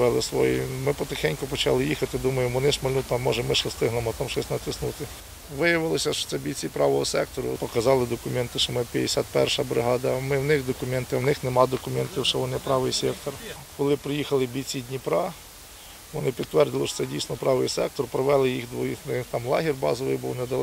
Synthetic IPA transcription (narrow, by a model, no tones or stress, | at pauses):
ʋɛlˠɪsʋɔ̰jḭmɪpɔt̪ɪxɛnʲkʊpɔt͡ʃɑ̰lˠɪjixɐt̪ɪd̪umɐjɪʋɔnɪʃmɐlʲnut̪ɐmːɔʒɛmɪʃɔst̪ɪɦnemɔt̪ɑmʃt͡ʃɔsʲnɐt̪ɪsnut̪ɪ | ʋɪjɐʋɪlˠɔsʲɐʃɔ̥sɛbʲit͡sʲipɾɑʋɔɦɔsɛk̚t̪ɔɾʊ̰pɔkɐzɑlˠɪd̪ɔkʊmɛnt̪ɪʃt͡ʃɔmɪpʲjɐd̪ɪsʲat̪̚pɛ̰rʃɐbɾɪ̰ɦɑd̪ɐmɪwnɪxd̪ɔkʊmɛnt̪ɪwnɪxnemɑd̪ɔkʊmɛnt̪ʲiwʃɛʋɔnɪpɾɑʋɪjsʲɛkt̪ɔr | kɔlˠɪpɾɪjixɐlˠɪbʲit͡sʲːidʲnʲipɾɑ | ʋɔnɪpʲid̪t̪ːʋɛrd̪ɪlˠɪʃɔ̥sɛdʲijsʲnɔpɾɑʋɪ̰jsɛk̚t̪ɔrpɾɔʋɛlˠɪjixd̪ʋɔjixnɪt̪ɑmlˠɑ̰ɦʲirbɑ̰zɔʋɪ̰jbuwnɛd̪ɐlˠ